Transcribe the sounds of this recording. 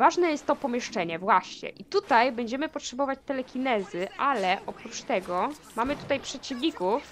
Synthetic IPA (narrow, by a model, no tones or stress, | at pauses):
vaʐnɛjɛst̪ːɔpɔmʲjɛʂt͡ʂɛɲɛvwaɕɲɛ̰ʔit̪ut̪ajbɛɲd͡ʑɛmɘpɔtʂɛbɔvat͡ɕt̪ɛlɛkʲinɛzɘʔalɛʔɔpɾut͡ʂt̪ɛɡɔ | mamɘt̪u̥t̪ajpʂɛt͡ɕivɲʲikuf